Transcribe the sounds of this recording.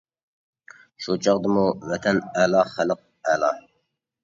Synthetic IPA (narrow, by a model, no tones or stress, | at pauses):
ʃut͡ʃʰɑʁd̪ɨmuvɛt̪ʰɛnɛlɑχæləq̚ɛlˠɑ